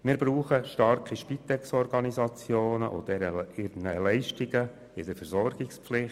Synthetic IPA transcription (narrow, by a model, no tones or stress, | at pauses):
mɪːɾbɾuːχəʃtɑɾkiʃpit̪ɛksɔɾɡɑnizɑt͡sjoːnəʔʊ̰d̥̪ɛɾəɪnəlɛɪʃtiɡə | ɪd̪əɾfɛɾzɔɾɡ̥ɪkspflɪχ